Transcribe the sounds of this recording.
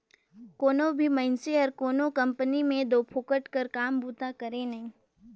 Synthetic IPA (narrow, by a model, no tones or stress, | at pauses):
koːnõbʱimɐɪnseɔɾkoːnokɐ̃mpənimẽd̪oːpʰoːkəʈkəɾkaːmbuːt̪akɐɾẽnɐɦĩː